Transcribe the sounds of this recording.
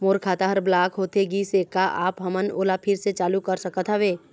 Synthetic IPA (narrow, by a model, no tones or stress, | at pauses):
moːɾkʰaːt̪aɦəɾblaːkʰɦoːt̪eɡisekaʔaːpɦɐməno̰ːlapʰɪɾset͡ʃaːlukɐɾsəkət̪ʰaʋeː